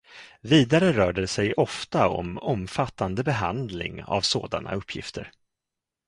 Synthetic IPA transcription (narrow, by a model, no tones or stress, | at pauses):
viːd̪aɾəɾœːɖɛsɛjʔɔft̪aɔ̰mɔmfat̪ːand̪əbɛɦand̪lɪ̰ŋa̰vso̰ːd̪ana̰ɵpʰːjɪ̰ft̪ʰəɾ